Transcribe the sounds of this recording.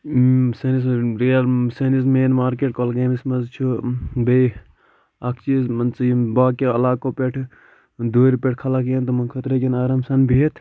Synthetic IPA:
sɐnis̬ɾijɐlsɐnismeːnmaːɾkeːʈ̚kolɡeːnismɐzt͡ʃʰube | ɐkʰt͡ʃizmɐnt͡sibaːkeɐlaːkopeʈʰ | d̪oːɾipeʈʰkʰɐlakjɐnt̪ɐmɐnkʰɐt̪ɾɐkinaːɾɐmsɐnbʱit̪ʰ

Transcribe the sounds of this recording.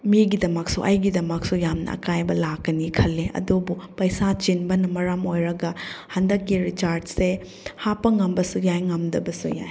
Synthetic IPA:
miɡidɐmɐk̚suʔa̰jɡidɐmɐk̚sujamnɐ̰ɐ̰kajbɐlakːɐnikʰɐlːeʔɐ̰dubupɐjsat͡ʃinbɐnɐmɐɾamojɾɐɡɐhɐndɐkːiɾit͡ʃaɾdse | hapɐŋɐmbɐsujajŋɐmdɐbɐsuja̰j

